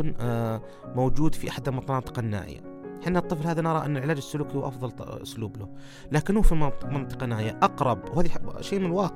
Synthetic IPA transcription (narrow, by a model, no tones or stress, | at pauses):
n | mowd͡ʒuːd̪fiʔaħd̪amɑt̪ˤɑnɑːt̪ˤɨ̥qɑnːa̰ːʔɪ̰ja̰ | ħinːat̪ˤːɨflhaːðanɑɾˤɑʔɪnːalʕɪlaːd͡ʒɪsːʊluːkiwʔɑfðˤɑlʔʊ̰sluːblʊ | laːkɪnːhufimɪnt̪ˤɨ̥qɑnaːʔɪjaʔɑqɾˤɑbwhaːðiʃeːmɪnɪlwɑːq